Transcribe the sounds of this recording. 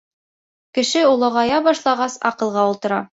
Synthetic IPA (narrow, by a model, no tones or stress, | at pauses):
kɘ̆ʃɘulˠɤ̆ʁɑjɑbɑʃlˠɑʁɑsɑ̰qɤ̆lˠʁɑulˠt̪ɤ̆ɾɑ